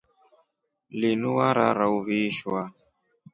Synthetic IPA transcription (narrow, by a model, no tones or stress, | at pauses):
linuwaɾa̰ɾauviʃwa